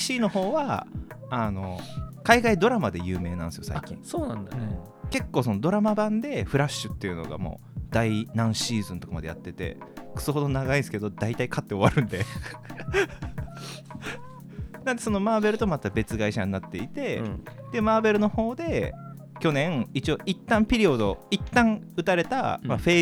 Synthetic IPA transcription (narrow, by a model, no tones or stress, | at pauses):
ɕiːno̞ho̞ːβa | ano̞̰kaiɡaid̪o̞ɾamad̪e̞jɯ̟ːme̞ːnã̰ñsɨijo̞sa̰ikʲḭ̃ŋsoːnãnd̪ane | ke̞kːo̞ːso̞no̞d̪o̞ɾamabãnd̪e̞ɸɯ̟ɾaɕːɨ̥t̪ːe̞iɯ̟no̞̰ɡa̰mo̰ː | d̪̥ainãɰ̃ɕiːzɨ̃nt̪o̞kamad̪eja̰t̪ːe̞t̪e̞̰kɯ̟̥sɨɦo̞d̪o̞naɡaĩnsɨ̥ke̞d̪o̞d̪ait̪aikat̪ːe̞o̞βaɾɯ̟̃nd̪e | nãnd̪e̞so̞no̞maːbe̞ɾɯ̟t̪o̞mat̪ːabe̞t͡sɨɡaiɕaɲ̟inat̪ːe̞it̪e̞d̪̥e̞maːbe̞ɾɯ̟no̞ho̞ːd̪e̞ | kʲo̞nẽ̞ŋit͡ɕio̞ʔit̪ːãmpʲiɾʲio̞d̪o̞it̪ːãŋɯ̟t̪aɾe̞t̪a̰maɸe̞ː